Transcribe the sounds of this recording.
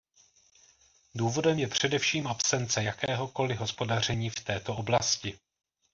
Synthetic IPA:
duːvo̞dɛmjɛpr̝̥ɛdɛfʃiːmʔapsɛnt͡sɛjakɛːɦo̞ko̞lɪɦo̞spo̞dar̝ɛɲiːft̪ɛːt̪o̞ʔo̞blascɪ

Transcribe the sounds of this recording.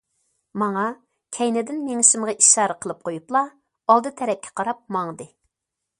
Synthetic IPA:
mɑŋɑ | kʲʰɛjnɪd̪ɪnmeŋɪʃɪmʁɑʔiʃɑːɾɨqʰəlˠɨp̚qʰojuplˠɑ | ɑlˠd̪ɨt̪ʰɛɾɛp̚kʲʰɛ̥qʰɑɾɑp̚mɑŋd̪ɨ

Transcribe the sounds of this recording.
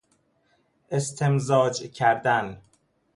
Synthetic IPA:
ʔe̞st̪ʰemzɒːd͡ʒcʰæɾd̪æn

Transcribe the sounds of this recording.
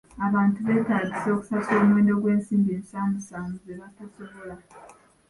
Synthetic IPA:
aβaːntuβe̞taɟiso̞ku̥sasoːmwe̞ːndo̞ɡwe̞ːnsiːmbieːnsaːmbusaːmuzeβatosoβola

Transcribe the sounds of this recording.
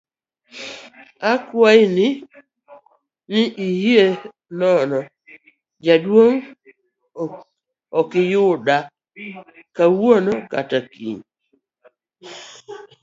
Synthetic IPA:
akwaɪnɪ | nɪʔihie | nɔnɔ | d͡ʒadwoŋ | ɔkɪjʊɗa | kawwonɔka̰takḭɲ

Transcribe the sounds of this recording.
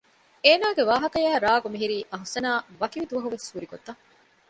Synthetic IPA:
eːnaːɡeʋaːɦɐkɐjæːɾaːɡumiɦiɾiːʔɐɦusɐnaːʋɐkiʋid̪uʋɐɦuʋeshuɾiɡot̪ːɐ

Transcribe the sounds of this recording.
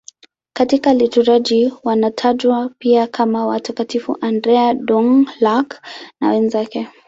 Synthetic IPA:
katikalituɾaʄiwanatʰaʄwapiakʰamawatakatifṵʔandɾɛaɗɔŋlakna̰wɛnzakɛ

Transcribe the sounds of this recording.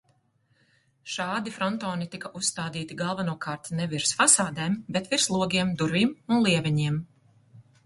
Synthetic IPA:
ʃaːd̪ifɾɔnt̪ɔːnit̪ikaʔusːt̪aːd̪iːt̪iɡalˠvanuɔkaːɾt̪nɛviɾsfasaːd̪ɛːmbɛt̪viɾslˠuɔɡʲiɛmd̪uɾvʲimunlˠiɛvʲɛɲiɛm

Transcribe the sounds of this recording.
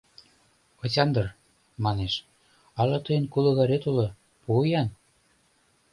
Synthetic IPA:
ot͡ɕʲɑnd̪ɤr | mɑneʃ | ɑlɤ̆t̪ɤjənkulɤ̆ɣɑɾet̪ulɤ̆ | pujɑn

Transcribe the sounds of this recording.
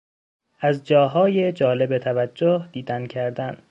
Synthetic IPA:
ʔæzd͡ʒɒːɦɒːje̞d͡ʒɒːle̞be̞t̪ʰævæd͡ʒːohd̪̥iːd̪æncʰæɾd̪æn

